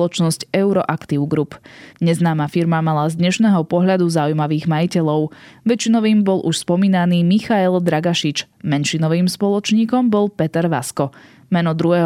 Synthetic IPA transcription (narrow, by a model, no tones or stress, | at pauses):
lɔt͡ʃnɔscɛʊɾɔʔakt̪iːʊɡɾupɲɛznaːmafiɾmamalazd̪ɲɛʃnɛːɦɔpɔɦʎad̪uzaujmaʋiːɣmajicɛʎɔʊʋɛt͡ʃinɔʋiːmbɔlʔuʃspɔmiːnaniːmixaɛld̪ɾaɡaʃit͡ʃ | mɛnʃinɔʋiːmspɔlɔt͡ʃɲiːkɔmbɔlˠpɛt̪ɛɾʋa̰skɔ | mɛnɔd̪ɾuɦɛɦ